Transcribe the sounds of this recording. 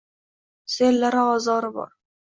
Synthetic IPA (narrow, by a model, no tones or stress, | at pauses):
selːaɾɪɒzɒɾɪbɒ̰ɾ